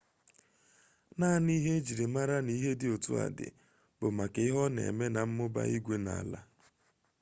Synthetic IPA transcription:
na˦˨ni˦ɦe˦d͡ʒi˨ɾe˨ma˦ɾa˦ni˦ɦe˦dɪ˦o˨tṵ˦a̰˨dɪ̰˨ | bʊ˨ma˨ke˨ɪ˦ɦɔ˦nḛ˨me˦na˨m̩˦mʊ˦ba̰˦i˦ɡʷe˦na̰˨a˨la̰˦

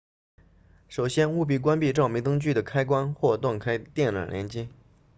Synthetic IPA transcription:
ʂo˨˩ʊɕjɛ˥nu˥˧p̬i˥˩kwa˥npi˥˧ʈ͡ʂɑ˥˩ʊmi˧˥t̪ɤ˥ŋt͡ɕy˥˩d̪ə˩kʰa˥ɪkwa˥nxwɔ˥˧t̪wa˥˩nkʰa˥ɪt̪jɛ˥˩nlwa̰˨˩ljɛ̰˧˥nt͡ɕi˥

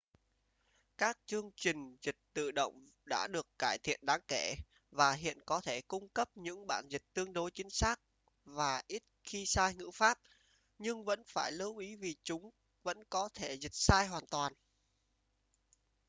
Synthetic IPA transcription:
kaː˦˥k̚t͡ɕɨ˧əŋt͡ɕï˨˩ŋ̟zï˨˩k̟̚t̪ɨ̰˧˨ɗo̰˧˨wŋ͡m | ɗa̰ː˧˥ɗɨ˨˩əkːaː˧˩jt̪ʰḭ˧˨ənɗaː˨˦ŋke˧˩ | vaː˨˩ɦḭ˧˨ənkɔ˨˦t̪ʰe˧˩kʊ˧ŋ͡mkə˦˥p̚ɲɨ̰˧˥ŋɓa̰ː˧˩nzi˨˩k̟̚t̪ɨ˧əŋɗo˨˦jt͡ɕï˨˦ŋ̟saː˦˥k̚ | vaː˨˩ʔi˦˥t̚xi˧saː˧jŋɨ̰˧˥faː˦˥p̚ | ɲɨ˧ŋvə̰˧˥nfaː˧˩jlə˨˦wʔi˨˦vi˨˩t͡ɕʊ˨˦ŋ͡m | və̰˧˥nkɔ˨˦t̪ʰe˧˩zï˨˩k̟̚saː˧jɦwaː˨˩nt̪waː˨˩n

